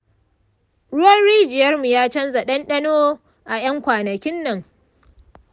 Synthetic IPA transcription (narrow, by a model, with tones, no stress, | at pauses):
ɽʊ˦wɐ˦nɽiː˦d͡ʒɪ˨jɐ˦rmu˨jaː˦t͡ʃɐ˦nza˨ɗɐ˦nɗɐ˦noː˦ | ʔa˨j̰ɐ˦ŋkʷaː˨nɐ˨kʲɪ˦nːɐ˨ŋ